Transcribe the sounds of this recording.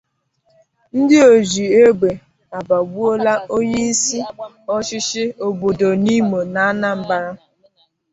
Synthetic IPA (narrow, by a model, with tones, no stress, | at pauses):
n̩˦dɪ˦o˨zi˨e˦ɡ͡be˨ | a˨ba˨ɡ͡bu˦o˦la˦o˦ɲe˦n̩˦si˦ | ɔ˦t͡ʃɪ˦ʃɪ˦o˨bo˨do˨ni˦mo˨na˨a˦na˦m̩˨ba˦ɾa˦